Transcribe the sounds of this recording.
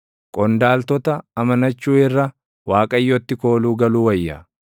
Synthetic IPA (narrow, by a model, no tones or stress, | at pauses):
kʼɔnd̪aːlt̪ɔt̪ɐɐmɐnɐt͡ʃːuːɪrːɐ | waːkʼɐjːɔt̪ːɪko̞ːluːɡɐluːwɐjːɐ̰